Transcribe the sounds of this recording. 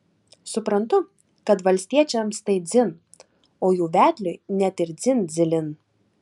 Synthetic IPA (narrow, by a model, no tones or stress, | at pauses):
sʊpɾɐnt̪ʊ | kɐt̪ʋɐlʲsʲt̪ʲiɛt͡ʃʲɛmst̪ɐɪd̪zʲɪn | oːjuːʋʲæːd̪ʲlʲʊnʲɛt̪ɪɾd̪zʲɪnd̪zʲɪlʲɪn